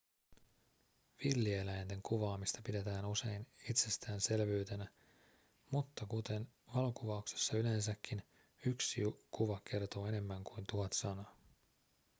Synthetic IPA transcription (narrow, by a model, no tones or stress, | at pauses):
ʋilːielæjnd̪e̞ŋkuʋɑːmist̪ɑpide̞t̪æːnuse̞jnit̪se̞st̪æːnse̞lʋyɥt̪e̞næ | mut̪ːɑkut̪e̞n | ʋɑlo̞kuʋɑukse̞̥sːɑyle̞nsækʰːin | yksiukuʋɑke̞rt̪o̞ːe̞ne̞mːæŋkujnt̪uɦɑt̪sɑnɑ